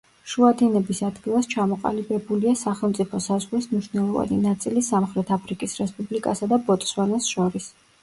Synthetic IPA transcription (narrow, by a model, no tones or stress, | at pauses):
ʃuad̪inɛbisad̪ɡilˠast͡ʃʰamɔqʼa̰libɛbuliasaχɛlˠmt̪sʼipʰɔsazʁlismniʃnɛlˠɔva̰ninat̪sʼilisamχɾɛt̪ʰapʰɾikʼisɾɛspʼublikʼasad̪abɔt̪ʼswanasʃɔɾis